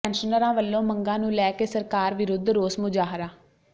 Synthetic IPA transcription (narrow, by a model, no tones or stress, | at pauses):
ɛ̃ːnʃənəɾãːʋəlːõːməŋɡãːnũːlɛːkeːsəɾkaːɾʋɪɾʊd̪ʱɾoːsmʊd͡ʒaːɦɾaː